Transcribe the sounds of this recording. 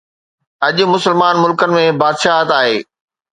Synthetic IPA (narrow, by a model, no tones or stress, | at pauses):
ɐʄʊmʊsəlmaːnmʊlkənɪ̆mẽbaːd̪ʃaːɦɐt̪aːɦeː